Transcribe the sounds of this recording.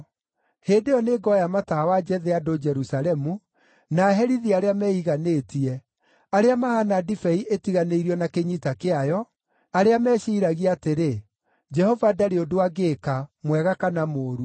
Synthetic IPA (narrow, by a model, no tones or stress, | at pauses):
hendejɔneɡɔjamatawad͡ʒɛðeadod͡ʒɛɾusalɛmu | naːɦɛɾiðiaɾeamɛːiɣaneːtiɛ | aɾeamahanadifɛiʔetiɣaneiɾiɔnakeɲitakeajɔ | aɾeamɛːʃiːɾaɣiateɾe | d͡ʒɛhɔvadaɾeodoaɡeːkamwɛɣakanamoːɾu